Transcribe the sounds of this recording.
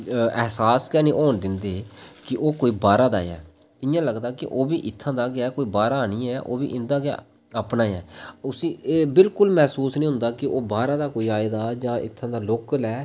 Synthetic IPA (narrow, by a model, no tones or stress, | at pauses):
ɛɦsaːskɛːniːʔoːnd̪ɪnd̪eːkɪʔoːkoːiːbaːɾaːd̪a̰ːɛ̰ː | t̪ɪjãːləɡd̪aːkɪʔoːbiːʔɪt̪ʰːãːd̪aːɡɪaːkoːiːbaːɾaːnĩːɛːʔo̰ːbḭːʔɪnd̪aːɡɪa̰ː | əpnaːɛːʊsĩːeːbɪlkʊlmɛːsuːsnĩːɦʊ̃nd̪aːkɪʔoːbaːɾãːd̪aːkoːiːaːed̪aːd͡ʒãːʔɪ̰t̪ʰːãːd̪aːloːklɛː